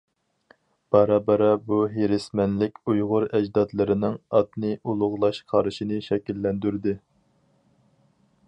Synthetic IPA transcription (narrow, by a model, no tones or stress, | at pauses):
b̥ɑɾɑbɑɾɑbuɦeɾɪsmɛnlɪkʲujʁʊɾɛd͡ʒd̪ɑt̪lˠɨɾɪnɨŋɑt̪nɨʔulˠʊʁlˠɑʃqʰɑɾɨʃinɪʃɛkʲilːɛnd̪yɾd̪ɪ